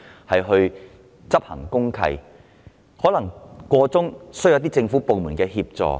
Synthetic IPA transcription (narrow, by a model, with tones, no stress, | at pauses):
hɐ˨jɦɵ˧ɥ | t͡sɐ˥p̚hɐ̰˨˩ŋkʊ˥ŋkʰɐ̰˧j | hɔː˨˥lɐ˨˩ŋkɔː˧t͡sʊ˥ŋsɵ˥jɐ˨˧wt̪i˥t͡sɪ˧ŋfu˨˥po˨wmuː˨˩nkɛː˧ɦiː˧p̚t͡sɔ̰ː˨˧